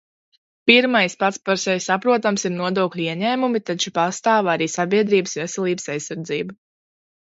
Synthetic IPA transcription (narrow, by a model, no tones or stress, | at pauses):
piɾmajspat̪spaɾsɛjʲsapɾuɔt̪amsiɾnuɔd̪oːkʎʲiɛɲɛːmumit̪at͡ʃu̥past̪aːvaɾiːsabʲiɛd̪ɾiːbəsvɛsɛlˠiːbəsajsːaɾd̪ziːbu